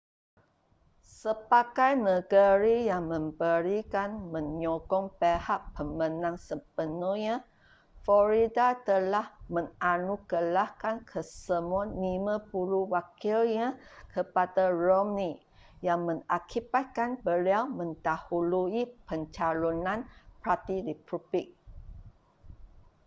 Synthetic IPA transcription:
səpakajnəɡəɾijaŋmə̃mbəɾikanmə̃ɲɔɡɔŋpehaʔpəmə̃nãŋsəp̚ənuhɲa | flɔɾidat̪əlahmə̃ŋanukəlahkankʰəsəmuanimə̃puɾuwakilɲãkʰəpadarɔmni | jaŋmə̃ŋakʰibat̪̚kanbəliawmə̃ndahuluipəɲt͡ʃalonãnpɹat̪iɾipubik̚

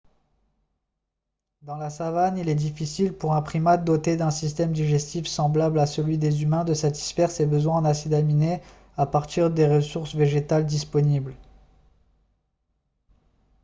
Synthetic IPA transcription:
d̪ɑ̃lasavanilɛd̪ifisilpuʁɛ̃pχimat̪̚d̪ot̪ed̪ɛ̃sist̪ɛmd̪iʒɛst̪ifsɑ̃blablasəlɥid̪ezymɛ̃d̪əsat̪i̥sfɛʁsebəzwɛ̃nasid̪amine | apaʁt̪iʁd̪eʁəsuʁsveʒet̪ald̪ispɔnibl

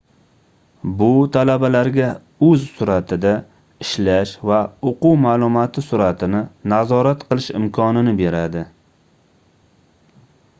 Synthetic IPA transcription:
bʊt̪ʰalabalaɾɡʲa | ɵzsʊɾat̪ʰɪd̪a | ɪʃlaʃvaoqʊwmaːlˠʊmɒt̪ʰɪsʊɾat̪ʰɪnɪnazɒɾat̪qʰɨlˠɪʃɪ̰mkʰɒnɪnɪbe̞ɾad̪ɪ

